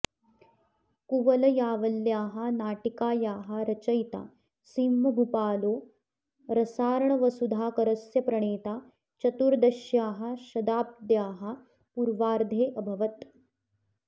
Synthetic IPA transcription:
kuʋɐlɐjaːʋɐljaːɦɐ̆naːʈikaːjaːɦɐ̆ɾɐt͡ʃɐjt̪a̰ː | siːmːɐbʱupaːloː | ɾɐsaːɾɐɳɐʋɐsud̪ʱaːkɐɾɐsjɐpɾɐɳeːt̪aː | t͡ʃɐt̪uɾd̪ɐʃjaːɦɐ̆ʃɐd̪aːp̚d̪jaːɦɐ̆ | puɾʋaːɾd̪ʱeːʔɐbʱɐʋɐt̪

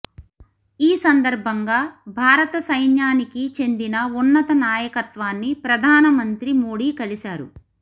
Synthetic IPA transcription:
iːsɐnd̪ɐɾbʱɐŋɡaːbʱaːɾɐt̪ɐsɐjnjaːnikit͡ʃe̞nd̪inɐunːɐt̪ɐnaːjɐkɐt̪ʋaːnːipɾɐd̪ʱaːnɐmɐnt̪ɾimo̞ːɽiːkɐlisaːɾṵ

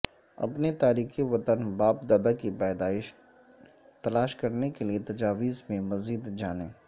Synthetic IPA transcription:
ɐ̰pnet̪aːɾiːkiʋɐt̪ənbaːp̚d̪aːd̪akibaːd̪aːɪʃ | t̪ɐlaːʃkɐɾnekeliet̪ɐd͡ʒaːʋiːzmẽmɐziːd̪d͡ʒaːnẽː

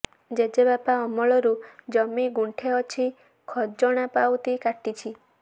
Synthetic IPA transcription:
d͡ʒed͡ʒebapaɔmɔɭɔɾud͡ʒɔmiɡuɳʈʰeɔt͡ʃʰi | kʰɔd͡ʒɔɽ̃apawt̪ikaʈit͡ʃʰi

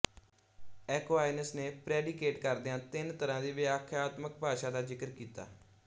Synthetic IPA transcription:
ɛːkʋaːɪnəsneːpɾɛːɖikeːʈkəɾd̪ãːt̪ɪnt̪əɾãːd̪iːʋɪaːkʰaːt̪mək̚bʱaːʃãːd̪aːzɪkəɾkiːt̪a̰ː

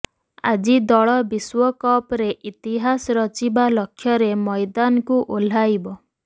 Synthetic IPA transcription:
a̰d͡ʒid̪ɔɭɔbiswɔkɔpɾeʔit̪iɦasɾɔt͡ʃibalɔkʰːjɔɾemɔjd̪anɔkuʔol̤ajbɔ

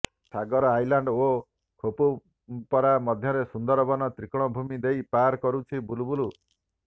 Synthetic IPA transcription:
ʈʰaɡɔɾɔajlaɳɖo | kʰopu | pɔɾamɔd̪ʱjɔɾesund̪ɔɾɔbɔnɔt̪ɾikɽ̃ɔbʱumid̪ejpaɾkɔɾut͡ʃʰibulubulu

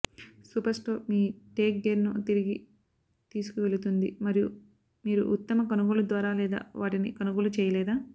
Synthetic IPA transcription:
suːpɐɾsʈoːmiːʈeːk̚ɡeɾnut̪iɾiɡi | t̪iːsu̥kuʋe̞ɭut̪und̪ḭmɐɾiju | miːɾṵʔut̪ːɐmɐkonuɡulud̪ʋaːɾaːlɛːd̪a̰ːʋaːʈinikonuɡulut͡ʃɛːjɐlɛːd̪aː

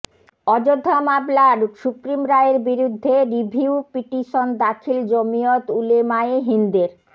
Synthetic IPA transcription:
ɔd͡ʑod̪ʱːamablaɾʃupɾimɾaeɾbiɾud̪ʱːeɾibʱiupiʈiʃond̪akʰild͡ʑomijot̪ulemaeɦind̪eɾ

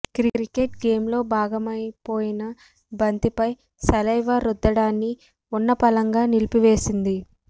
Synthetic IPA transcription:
kɾiɾikeʈɡe̞ːmlo̞ːbʱaːɡɐmɐjpo̞ːjinɐ | bɐnt̪ipɐj | sɐlɐjʋaːɾud̪ːɐɽaːnːi | unːɐpɐlɐŋɡaːnilipiʋe̞ːsind̪i

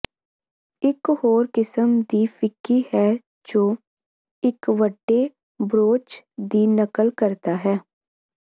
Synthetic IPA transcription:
ɪkhoːɾkɪsəmd̪iːfʰɪkːiːɦɛː | d͡ʒoː | ɪkʋəɖːeː | bɾoːt͡ʃd̪iːnəkəlkəɾt̪aːɦɛː

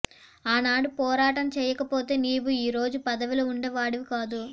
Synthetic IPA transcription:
aːnaːɽupɔːɾaːʈɐmt͡ʃɛːjɐkɐpo̞ːt̪e̞ːniːʋuiːɾo̞ːd͡ʒupɐd̪ɐʋilouɳɖɐʋaːɽiʋikaːd̪u

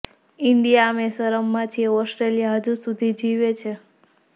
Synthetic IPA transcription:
ɪɳɖijamesəɾəmːãt͡ʃʰieɔsʈɾelijaɦəd͡ʒusud̪ʱid͡ʒiʋet͡ʃʰe

